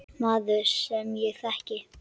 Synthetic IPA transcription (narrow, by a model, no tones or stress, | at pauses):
maːðʏssɛmjɛɣθɛhcɪ